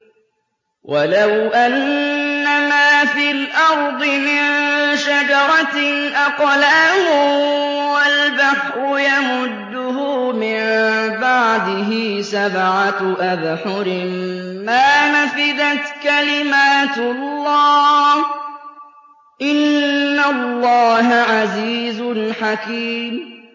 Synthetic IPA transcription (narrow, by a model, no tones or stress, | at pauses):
wʔalawʔanː | amaːfiːlʔɑɾˤd̪ˤɨmɪnʃad͡ʒɑɾˤɑʔaqlaːhʊ | walbaħɾʊjamʊd̪ːʊhʊmɪmbaʕd̪ɪɦɪsabʕat̪ʔaðħʊɾɪmmaːnafɪd̪at̪kalɪmaːt̪lːɑːh | ʔɪnːalːɑːɦaʕaziːzʊnħakiːm